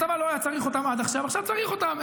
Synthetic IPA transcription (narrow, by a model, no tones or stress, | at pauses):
t̪amaloajat͡saʁiχo̞t̪amad̪aχʃavaχʃavt͡saʁiχo̞t̪am